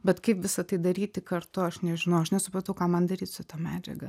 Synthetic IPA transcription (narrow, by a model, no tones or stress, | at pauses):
bʲɛt̪kɐɪpʋʲɪsɐt̪ɐɪd̪ɐɾʲiːt̪ʲɪkɐɾt̪ʊɐʃnʲɛʒʲɪnɐʊɐʃnʲɛsʊpɾɐt̪ɐʊkɑːmɐnd̪ɐɾʲiːt̪sʲʊt̪ɐmʲæːd͡ʒʲɛ̰ɡɐ